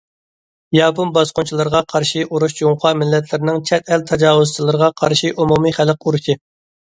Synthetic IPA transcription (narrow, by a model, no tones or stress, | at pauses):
jɑːpunbɑsqʊnt͡ʃʰilˠɨɾəʁɑqʰɑɾʃiʔuɾuʃjoŋχɑmɪlːɛt̪ʰlɪɾɪnɪŋt͡ʃʰɛt̪ʰɛlt̪ʰɑd͡ʒɑːwuzt͡ʃʰilˠɨɾəʁɑqʰɑɾʃiʔumumɨχælquɾuʃɪ